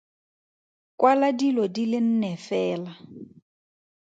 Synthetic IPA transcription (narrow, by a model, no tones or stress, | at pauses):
kʼwaladilɔdilɪn̩nɛfɛːla